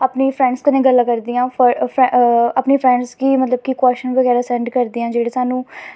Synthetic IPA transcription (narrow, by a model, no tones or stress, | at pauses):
aːpniːpʰɾɛ̃ːɳɖskənẽːɡəlːãːkəɾd̪iːãːpəpʰɛapneːpʰɾɛ̃ːɳɖskiːmət̪ləb̚kikwɛːʃənʋəɣɛːɾaːsɛ̃ːɳɖkəɾd̪iːãːd͡ʒeːɽeːsaːnũː